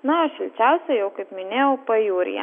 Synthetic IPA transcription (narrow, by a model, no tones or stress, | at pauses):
nɐɐʃʋʲɪlʲt͡ʃʲæˑʊsʲɛjɛʊkɐɪpmʲɪnʲeːjɛʊpɐjuːɾʲɪ̰jɛ̰